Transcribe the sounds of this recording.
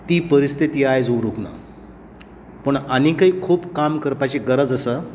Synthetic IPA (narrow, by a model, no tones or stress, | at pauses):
t̪iːpəɾist̪ʰit̪iːajd͡zuɾukna̰ | pəɳanikaiːkʰuːpkamkəɾpat͡ɕeɡəɾəd͡zəsə